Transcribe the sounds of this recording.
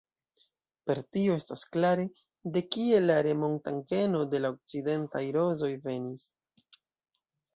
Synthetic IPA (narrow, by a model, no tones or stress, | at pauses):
pe̞ɾtio̞e̞stasklaɾe̞ | de̞kie̞laɾe̞mo̞ntaŋke̞no̞de̞laok̚t͡side̞ntajɾo̞zo̞jve̞nis